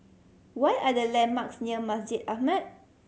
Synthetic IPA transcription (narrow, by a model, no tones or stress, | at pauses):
wajʔadəlɛ̃nmaksnəmasd͡ʒɪdahmət̚